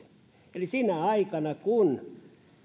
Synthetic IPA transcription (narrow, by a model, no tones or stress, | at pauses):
elisinæɑikɑnɑkun